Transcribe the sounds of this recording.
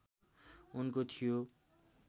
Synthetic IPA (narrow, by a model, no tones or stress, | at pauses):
unkot̪ʰijo